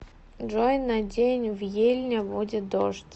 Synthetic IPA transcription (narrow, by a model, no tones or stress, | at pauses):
ʐojnɐdʲenʲvjelʲnʲəbudʲɪt̪̚d̪oʂtʲ